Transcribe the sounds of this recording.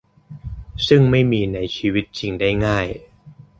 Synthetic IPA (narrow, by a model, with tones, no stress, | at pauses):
sɯ˥˩ŋma˥˩jmiː˧na˩˦jt͡ɕʰiː˧wi˦˥t̪̚t͡ɕi˧ŋda˥˩jŋaː˥˩j